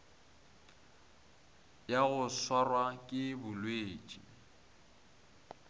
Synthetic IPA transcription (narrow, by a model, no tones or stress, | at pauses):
jaɣʊswarwakʼɪbʊlweːt͡ʃʼḭ